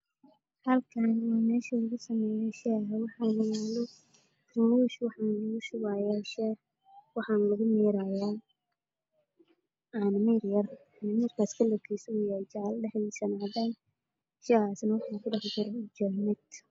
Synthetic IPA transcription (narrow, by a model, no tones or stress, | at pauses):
hɐlkʰaːnwaːmɛːʃɐʊɣʊsɐmɛːjɛjʃɛːɦwɑħɑnɪjaːlɔ | rʊuʃwɑħɑːnʊʊʃʊwajaːʃɛː | wɑħɑːnlɐɣʊmɛːɾajaː | anmɛrjɐr | nɐmɐrkʰaːskʰɐlɔkʰɛjsɔjɛjt͡ʃɑʕɑlɖɛħɛsɐnaːðaːn | ʃɛːaːsnɐwɑħɑːnkʰʊɖɑħd͡ʒɪɾɛd͡ʒɔmɛd̪